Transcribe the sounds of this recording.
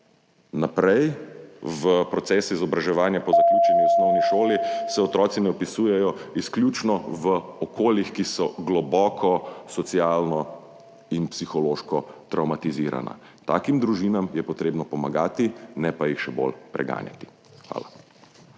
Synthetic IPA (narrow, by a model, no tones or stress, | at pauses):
napɾɛj | ʋəpɾɔt̪sɛːsizɔbɾaʒɛʋaːnjapɔzaklʲjuːt͡ʃɛniɔsnɔwniʃoːlisɛɔt̪ɾɔːt̪sinɛɔpisuːjɛjɔisklʲjuːt͡ʃnɔʋəɔkoːljixkisɔɡlɔbɔːkʰɔsɔt̪sjaːlnɔ | inpsixɔloːʃkɔt̪ɾawmat̪iziɾa̰na̰ | t̪a̰ːkimd̪ɾuʒinamjɛpɔt̪ɾeːbnɔpɔmaɡaːt̪inɛpajixʃɛbo̰lpɾɛ̰ɡa̰ːnja̰t̪i̥ | xʋa̰ːla